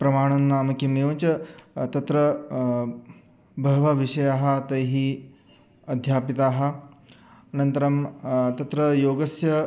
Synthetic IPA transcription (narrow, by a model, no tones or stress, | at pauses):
pɾɐmaːɽ̃ɐnːaːmɐkimniʋɐnt͡ʃɐt̪ɐt̪ɾɐ | bʱɐʋɐʋiʂɐjaɦɐt̪ɐjɦiː | ɐd̪ʱjaːpit̪aːɦɐ̆ | ɐnɐnt̪ɐɾɐmt̪ɐt̪ɾɐjoːɡɐsjɐ